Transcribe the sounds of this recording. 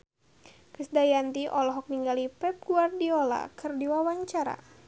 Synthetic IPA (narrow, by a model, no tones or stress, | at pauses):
kəsdajant̪iʔɔlɔɦɔk̚niŋɡalipɛp̚ɡ̥uardiɔla̰kɨrdiwawaɲt͡ʃaɾa̰